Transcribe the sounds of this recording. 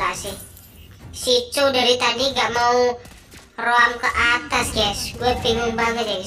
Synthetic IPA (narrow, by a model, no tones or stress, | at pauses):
asɪ | sit͡ʃudaɾit̪adiŋɡaʔmau | roaŋkəʔat̪asɡɛsɡuat̪̚fiŋʊŋbaŋət̪̚ja